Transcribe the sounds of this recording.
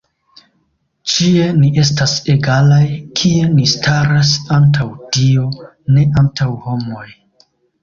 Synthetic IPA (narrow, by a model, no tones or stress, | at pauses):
t͡ʃie̞niʔe̞s̬taseɡalajkʰie̞nistʰaɾas̬antʰawtio̞ | ne̞ʔantʰawho̞mo̞j